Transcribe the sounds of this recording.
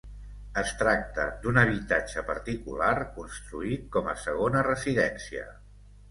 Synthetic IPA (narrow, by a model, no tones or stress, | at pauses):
əst̪ɾak̚t̪əd̪unəβ̞it̪ad͡ʒəpəɾt̪ikularkunst̪ɾuit̪̚kɔməsəɣ̞onərəziðɛnsiə̰